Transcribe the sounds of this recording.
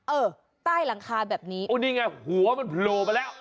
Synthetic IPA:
ʔɤː˧˩ | t̪aː˥˩jla˩˦ŋkʰaː˧bɛː˨˩p̚niː˦˥ʔu˧˩niː˦˧˩ŋa˧˩jhu˨˩˦ɐ˦ma˧npʰloː˧pa˧jlɛː˦˥˩w

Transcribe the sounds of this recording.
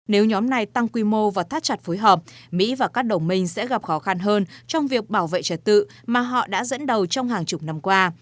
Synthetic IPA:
ne˨˦wɲɔ˨˦mna˨˩jt̪a˧ŋkwi˧mo˧vaː˨˩wt̪ʰaː˦˥t̚t͡ɕa˨˩t̚fo˨˦jɦəː˨˩p̚mḭ˧˥vaː˨˩kaː˦˥k̚ɗə˨˩wŋ͡mmï˧ŋ̟sɛ̰˧˥ɣa˨˩p̚xɔ˨˦xa˧nɦəː˧nt͡ɕɔ˧wŋ͡mvi˨˩ək̚ɓaː˧˩wvḛ˧˨t͡ɕə˨˩t̚t̪ɨ̰˧˨maː˨˩ɦɔ̰˧˨ɗa̰ː˧˥zə̰˧˥nɗə˨˩wt͡ɕɔ˧wŋ͡mɦaː˨˩ŋt͡ɕʊ˨˩k͡p̚na˧mkwaː˧

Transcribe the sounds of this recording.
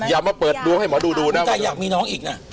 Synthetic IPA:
jaː˨˩˦mːaː˧˩pɤː˨˩t̪̚du˧əŋha˥˩jmɔː˨˦duː˧duː˧na˦˥˦t̪aː˨˩jaː˨˩k̚miː˧nɔː˦˥ŋʔiː˨˩k̚na˦˥

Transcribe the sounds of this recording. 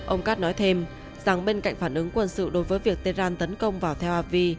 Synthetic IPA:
ʔə˧wŋ͡mkaː˦˥t̚nɔ˨˦jt̪ʰe˧m | za˨˩ŋɓe˧nka̰˧˨ŋ̟faː˧˩nʔɨ˨˦ŋkwə˧nsɨ̰˧˨ɗo˨˦jvəː˨˦jvi˨˩ək̚t̪e˧˦zaː˧nt̪ə˨˦nkə˧wŋ͡mvaː˨˩wt̪ʰɛ˧whaː˧˩p̚vi˧

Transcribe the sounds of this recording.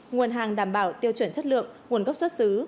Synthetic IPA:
ŋu˨˩ənɦaː˨˩ŋɗaː˧˩mɓaː˧˩wt̪i˧əwt͡ɕwə˧˩nt͡ɕə˦˥t̚lɨ̰˧˨əŋŋu˨˩ənkə˦˥p̚swə˦˥t̚sɨ˨˦

